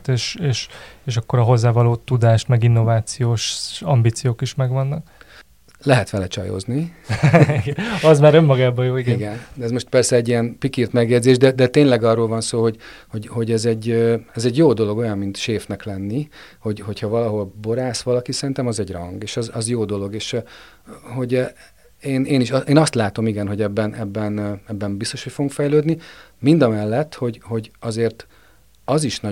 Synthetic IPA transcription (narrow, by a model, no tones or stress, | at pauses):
t̪eːʃeːʃeːʃɒkːo̞ɾɒɦo̞zːaːvɒloːt̪ːud̪aːʃt̪mɛɡinːo̞vaːt̪sijoːʃɒmbiːt̪sijoːkiʃmɛɡvɒnːɒk | lɛɦɛt̪ʋɛlɛt͡ʃɒ̰jo̰ːzni | ɡɒzmaːɾømːɒɡaːbɒjoːiɡiɡɛnd̪ɛɛzmo̞ʃt̪pɛrsɛːɟːijɛnpikiːrt̪mɛɡjɛd̪zeːʒd̪ɛd̪ɛt̪eːɲlɛɡɒroːlvɒnsoːɦo̞ɟho̞ɟho̞ɟɛzɛɟːøɛzɛɟjoːd̪o̞lo̞ɡo̞jɒmmint̪ʃeːfnɛklɛnːiho̞ɟho̞chɒvɒlɒɦo̞lbo̞ɾaːsʋɒlɒkisɛɾint̪ɛmɒzɛɟrɒ̰ŋɡeːʃɒzɒzjoːd̪o̞lo̞ɡeːʃ | ɦo̞ɟ | eːneːniʃɒʔeːnɒst̪laːt̪o̞miɡɛnɦo̞ɟɛbːɛnɛbːɛnɛbːɛmbist̪o̞ʃho̞cfoɡuŋkfɛjløːd̪nimind̪ɒmɛlːɛt̪ːho̞ɟho̞ɟɒzeːrt̪ | ɒziʃnɒ